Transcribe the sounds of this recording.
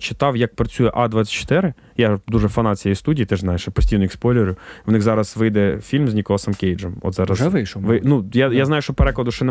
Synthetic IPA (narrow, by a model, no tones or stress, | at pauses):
t͡ʃɪ̥t̪ɑwjɐk̚pɾɐt͡sʲujɛʔɑd̪ʋɑt͡sʲːɐ̥t̪̚ʲt͡ʃːɔ̥t̪ɪɾɪ | jad̪uʒɛfɐnɑt͡sʲijejst̪udʲiːit̪ɪʒznɑjeʃpɔsʲtʲijnɔikspɔlʲɪɾʲʊjʊwnɪxzɑɾɐsʋɪjd̪ɛfʲilʲmzʲnʲikɔlˠɐsɐmkʲejd͡ʒɛmɔ̰t̪zɑɾɐsʋɪʃʋɪnujajazɑjʊʃt͡ʃɔpeɾɛklˠɐd̪ʊʃɛn